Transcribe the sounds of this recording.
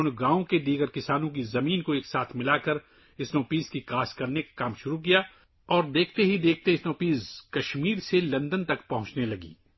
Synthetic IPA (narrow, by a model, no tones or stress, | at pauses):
ʊnɡãːõked̪iːɡəɾkɪsaːnõk̬izɐmiːnkoeːksaːt̪ʰmɪlaːkɐɾ | ɪsnoːpiːzkikaːskɐɾnekḁkaːmʃʊɾuk̬ija | ɔːɾd̪eːkʰt̪eɦid̪eːk̚ʰt̪eɪsnoːpiːzkɐʃmiːɾselɐ̃nd̪ənt̪ɐkpɐɦʊ̃t͡ʃnelɐɡḭː